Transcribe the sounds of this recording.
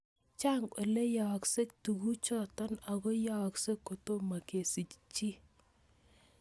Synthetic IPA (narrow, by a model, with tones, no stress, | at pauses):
t͡ʃa˦ŋʔɔ̰˨le˦ja˨ɔ˨kse˦k̚tu˨ku˦t͡ʃɔ˦˨tɔ˦na˨ko˦ja˦˨kse˦kːo˨to˦ma˨ke˨si˨t͡ʃt͡ʃi˦